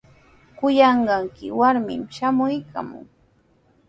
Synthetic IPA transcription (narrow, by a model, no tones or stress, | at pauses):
kʊjɑɴɢɑŋkɪwaɾmɪ̰mʃamʊjkʰa̰mʊ̰ŋ